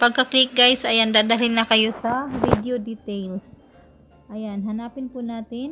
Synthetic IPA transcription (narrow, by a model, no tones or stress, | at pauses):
pɐɡ̚kɐklɪk̚ɡajsʔɐjand̪aːd̪aɦɪlnɐkɐjo̞sɐvid̪ɛod̪it̪ɛjls | ʔɐjanɦɐnaːpɪnpʊnaːt̪ɪn